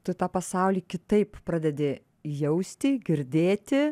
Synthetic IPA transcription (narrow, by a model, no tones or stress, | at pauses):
t̪ʊt̪ɑːpɐsɑˑʊlʲiːkʲɪt̪ɐɪppɾɑːd̪ʲɛd̪ʲeː | jɛʊsʲt̪ʲiːɡʲɪɾʲd̪ʲeːt̪ʲɪ